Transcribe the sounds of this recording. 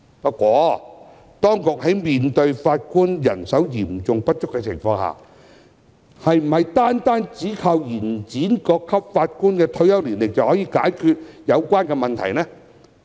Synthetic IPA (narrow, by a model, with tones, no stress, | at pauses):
pɐ˥t̚kʷɔː˨˧˥ | t̪ɔː˥ŋkʊ˨k̚ɦɐ˨˥jmiː˨nt̪ɵ˧ɥfaː˧t̚kuː˥njɐ̰˨˩nsɐ˨˥wjiː˨˩m̩t͡sʊ˨ŋpɐ˥t̚t͡ʃʊ˥kːɛ˧t͡sʰɪ̰˨˩ŋfɔː˧ŋha̰ː˨ | hɐ˨jm̩˨˩hɐ˨jt̪aː˥nt̪aː˥nt͡siː˨˥kʰa˧wjiː˨˩nt͡siː˨˥nkɔː˧kʰːɐ˥p̚faː˧t̚kuː˥nkɛː˧t̪ʰɵ˧ɥjɐ˥wliː˨˩nlɪ˨˩k̚t͡sɐ˨whɔː˨˥jiː˨˧kaː˨˥jkʰyː˧t̚jɐ˨˧wkʷaː˥nkɛː˧mɐ˨nt̪ʰɐ˨˩jnɛː˥